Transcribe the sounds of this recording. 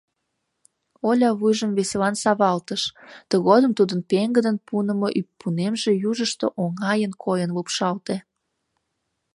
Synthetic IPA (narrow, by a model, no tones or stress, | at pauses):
olʲɑβujʒəmβeselɑnsɑβɑlt̪əʃt̪əɣod̪əmt̪ud̪ənpeŋɡəd̪ənpunə̆moʔypːunemʒejuʒəʃt̪əʔoŋɑjənkʰojənlopʃɑlt̪e